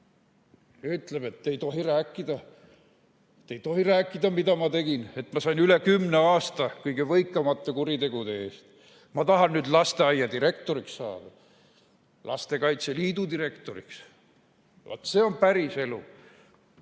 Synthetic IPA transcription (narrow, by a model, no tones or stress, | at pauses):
jɑyt̪leme̞t̪ːe̞jt̪o̞ɦiɾæːkːˑid̪̥ɑ | t̪ːejt̪o̞ɦiɾæːkːˑid̪̥ɑmid̪ɑmɑt̪e̞ɡ̥ine̞t̪ːmɑsɑjnylekymneɑːst̪ɑkɤjɡevɤjkːˑɑmɑt̪ːekuɾit̪e̞ɡ̥ud̪e̞eːst̪ | mɑt̪ɑɦɑnnyːd̪lɑst̪e̞ɑjːɑd̪iɾe̞kt̪o̞ɾiksːɑ̰ːd̪̥ɑ | lɑ̰st̪e̞kɑjt̪seliːd̪ud̪iɾe̞kt̪o̞ɾḭks | vo̰t̪ːseːo̞npæɾise̞lu